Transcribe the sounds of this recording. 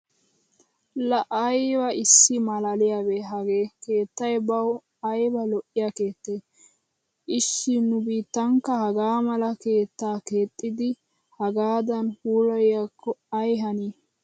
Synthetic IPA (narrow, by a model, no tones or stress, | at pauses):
lɐʔɐjbɐɪsːɪmɐlɐlɪjaːbeːɦɐɡeːke̞ːt̪ːɐjbɐw | ɐjbɐlɔʔːɪjake̞ːt̪ːeː | ʔɪʃːɪnʊbiːt̪ːɐŋkːɐhɐɡaːmɐlɐke̞ːt̪ːaːke̞ːt̪ʼːɪd̪ɪ | hɐɡaːd̪ɐnhuːlɔjjakʰːɔɐjɦɐniː